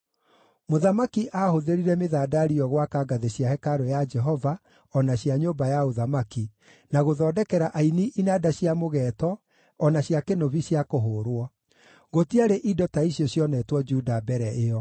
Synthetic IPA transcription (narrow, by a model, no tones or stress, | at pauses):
moðamakiʔahoðeɾiɾɛmeðaːdaɾiɔɣwakaɡaðeɕjahɛkaɾojad͡ʒɛɦɔva | ɔnaɕjaɲobajaoðamaki | naɣoðɔːdɛkɛɾaʔainiʔinadaɕjamoɣɛːtɔː | naɕjakenoβiɕjakoɦoɾwɔ | ɣotiaɾeʔidɔtaiɕiɔɕjɔnɛtwɔd͡ʒuːdabɛɾɛʔeɔ